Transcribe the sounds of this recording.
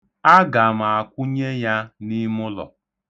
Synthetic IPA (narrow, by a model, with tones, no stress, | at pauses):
a˦ɡa˨m̩˨a˨kʷʊ˦ɲe˦ja˦ni˦mʊ˦lɔ̰˨